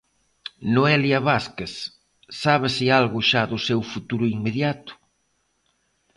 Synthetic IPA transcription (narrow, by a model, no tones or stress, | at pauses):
noɛljaβaskeθ | saβɪsialɣʊʃaðʊsewfut̪uɾʊiŋmeðjat̪ʊ̥